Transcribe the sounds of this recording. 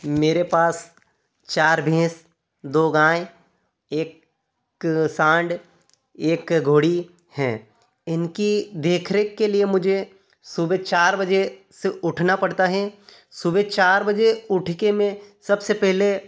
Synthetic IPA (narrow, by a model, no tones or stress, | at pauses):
meːɾepaːs | t͡ʃaːɾbʱẽːs | d̪oːɡãːe | eːk | sãːɳɖ | eːkɡʱoːɽi | hɛː | ɪnkid̪eːkʰɾekːeliemʊd͡ʒʱe | subet͡ʃaːɾbɐd͡ʒe | seʊʈʰnapɐɽt̪aɦɛ | subet͡ʃaːɾbɐd͡ʒeʊʈʰkemẽsɐbsepɛɦle